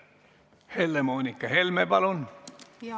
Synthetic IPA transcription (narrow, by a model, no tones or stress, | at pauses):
helːemoːnikːɑhelmepɑlun